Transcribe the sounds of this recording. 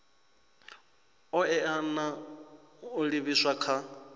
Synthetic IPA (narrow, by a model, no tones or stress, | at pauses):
ɔɛana | uɺiβiswakʰa